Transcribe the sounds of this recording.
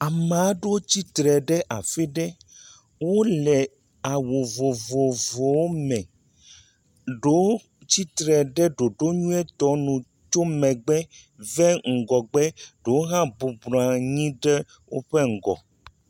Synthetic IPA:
a˨me˨a˦ɖe˦wo˦t͡ɕi˦t̪ɾɛ˨ɖɛ˦ʔa˨fe˦ɖɛ˦ | wo˦lɛ˨ | a˨wo˨vo˨vo˨vo˨wo˦mɛ̃˨ | ɖo˦ | t͡ɕi˦t̪ɾɛ˨ɖɛ˦ɖo˨ɖo˦ɲũ˦ɛ˦t̪ɔ˨˦nũ˨ | t͡ʃo˦mɛ̃˨ɡ͡bɛ˦ | vɛ˦ŋ̩˨ɡɔ˨ɡ͡bɛ˦ɖ̥o˨wo˦ɦã˦bu˨bla˨ɲĩ˦ɖɛ˦ | wo̰˦ɸe˦ŋ̩˨ɡɔ̰˨

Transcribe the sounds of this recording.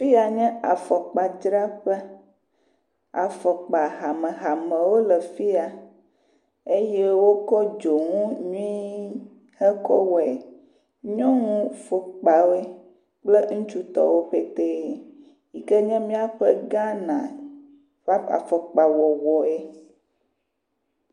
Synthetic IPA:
fi˦a˨ɲɛ̃˦a˨fɔ˨k͡pa˨d͡ʒɾa˦ɸɛ˦ | a̰˨fɔ˨k͡pa˨ɣa˨mɛ̃˨ɦa˨mɛ̃˨wo˦lɛ˨fi˦a˨ | e˦jɛ˦wo˦kɔ˦d͡ʒo˨ŋũ˦ɲũ˦i˦ | hɛ˦kɔ̰˦wɔ˨e˨ | ɲɔ̃˦ŋũ˦fo˨k͡pa˨we˦ | k͡plə˦ŋũ˦t͡ʃu˦t̪ɔ̰˨wo˦ɸe˦t̪e˦˨ | i˨kɛ˦ɲɛ̃˦mĩ˦a˦ɸɛ˦ɡã˦nã̰˨ | va˦a̰˨fɔ˨k͡pa˨wɔ˨wɔ˨e˨

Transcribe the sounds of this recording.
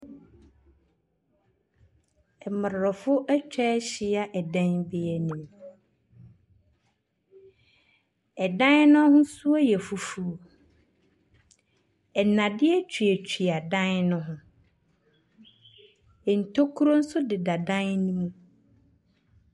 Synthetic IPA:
ɛ˨mɪ˨ɾɾɔ˨fʊ˦ʔɛ˦t͡ɕᶣɛ˦ɕɪ˦a˦ʔɛ˨dã˦nbɪ˦ɛ˦nɪ̃˨m | ɛ˨dã˦nnʊ̃˦hʊ̃˦su˦a˦jɛ˨fu˨fu˦o˨ | ɛ˨nã˨dɪ˦ɛ˦t͡ɕʰᶣɥɛ˨t͡ɕʰᶣi˨a˨dã˦nnʊ̃˦ɦʊ̃˦ | ɛ˨n̩˨tʰo˦kʰu˦ɾo˦n̩˦sʊ˦dɪ˨da˨dã˦nnĩ˦mũ˦

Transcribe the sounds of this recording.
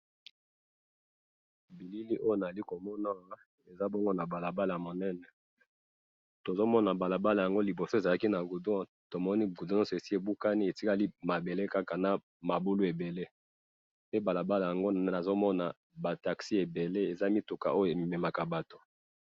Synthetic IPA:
bi˨li˦li˦ʔo˦jo˦na˨i˦ko˨mɔ˦na˦ | e˨za˦bɔ˦ŋɡo˦na˨ba˨la˨ba˦la˨a˨mo˨nɛ˦nɛ˨ | to˨zo˦mɔ˦na˨ba˨la˨ba˦la˨ja˨ŋɡo˦li˨bo˨so˦e˨za˨la˦ki˦na˨ɡu˨do˦˨ | to˨mɔ˦ni˦bu˨do˦nɔ̃˦se˨si˦e˨bu˦ka˦ni˦e˨ti˦ka˦li˦ma˨be˨le˦ka˦ka˨na˦ | ma˨bu˦lu˦e˨be˨le˦ | pe˦ba˨la˨ba˦la˨ja˨ŋɡo˦n˨na˨zo˦mɔ˦na˨ | ba˨ta˨ksi˦e˨be˨le˦e˨za˦mi˦tu˨ka̰˨ʔo˦jo˨e˨me˨mɛ˨ma˨ka˨ba˨to˦

